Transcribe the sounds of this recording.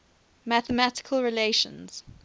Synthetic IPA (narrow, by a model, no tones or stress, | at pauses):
mæθəmætɪ̥kʰəlˠɹɪleʃə̰̃nz̥